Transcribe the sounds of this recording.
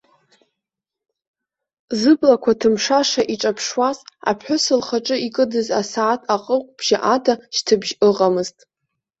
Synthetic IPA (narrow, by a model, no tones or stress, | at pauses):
zɨblakʷʰatʰɨmʂaʂaʔiʈ͡ʂʼapʰʂwaza̰pʰħʷʊsɨlχaʈ͡ʂʼɨikʼɨdɨza̰saːtʰʼaqʼəqʷʼb̥ʒ̥aʔatʰaʃtʰɨbʒɨʁʼamɨztʼ